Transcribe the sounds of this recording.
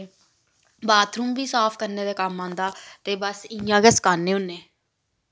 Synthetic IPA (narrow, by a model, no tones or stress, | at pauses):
baːt̪ɾuːmbiːsaːfkəɾneːd̪eːkamːãːnd̪aːt̪eːbəsɪjãːɡɛsə̥kaːnːẽːʊnːeː